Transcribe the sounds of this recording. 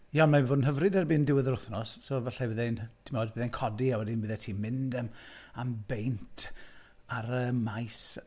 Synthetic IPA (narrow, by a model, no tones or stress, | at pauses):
jaɔnmavoːdn̩ɦəvrɨdɛrbiːndɪwɪðəɾʊθnɔssoːvaɬɛvəðɛntʰɪmoːdbəðɛnkʰɔdiawɛdinbɨðɛtʰiːmɪndəmambejntʰ | aɾəmajs